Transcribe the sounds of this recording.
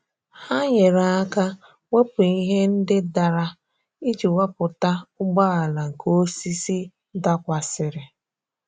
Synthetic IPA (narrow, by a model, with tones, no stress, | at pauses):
ha˦ɲe˨ɾa˨a˦ka˦ | ŋʷe˦pu˨i˦ɦe˦n̩˦dɪ˦da˨ɾa˦ | i˦d͡ʒi˨wa˦pʊ˨ta˦ʊ˦ɡ͡ba˦a˨la˨ŋ̩˨ko˦si˦si˦ | da˦kʷa˨sɪ˨ɾɪ˨